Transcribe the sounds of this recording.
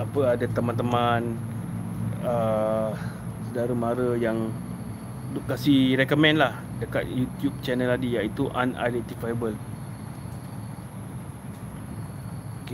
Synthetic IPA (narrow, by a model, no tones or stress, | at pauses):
apəadat̪əmãnt̪əmãn | ə | sədaɾəmãɾəjaŋ | duʔkasihɾɛkomɛ̃nlah | dəkat̪̚jut̪jup̚t͡ʃɛnəladijait̪uʔa̰na̰dɛt̪ifajəbəl | oke